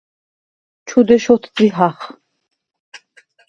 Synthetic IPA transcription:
t͡ʃʰud̪ɛʃɔt̪ʰd̪iɦaχ

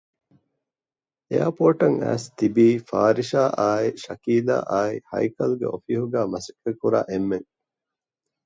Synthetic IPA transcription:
eaːpoːʈɐŋæ̰ːst̪ibiːfaːɾiʃaːʔaːiʃɐkiːla̰ːʔaːihɐ̰jkɐlɡḛofiɦuɡæːmɐsɐkːekːuɾa̰ːʔemːeŋ

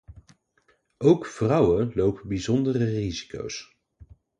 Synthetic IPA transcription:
owkvrʌwəlowpəbizɔndərərizi̥ko̰ws

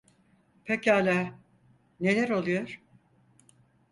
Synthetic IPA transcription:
pʰecalʲaː | ne̞lʲæɾo̞lˠujoɾ̥

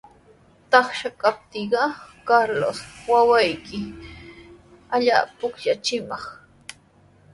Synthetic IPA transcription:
t̪ɑχʃakap̚t̪ɪɢɑkaɾlo̰swawajkɪ | aʎa̰ːpʊkʎat͡ʃɪmɑχ

